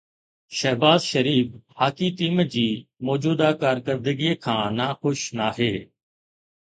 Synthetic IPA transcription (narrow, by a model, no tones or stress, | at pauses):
ʃəɦbaːzʃəɾiːbhaːkiːt̪iːməd͡ʑiːmoːd͡ʒuːd̪aːkaːɾkəɾd̪əɡiːkʰãːnaːxʊʃnaːɦeː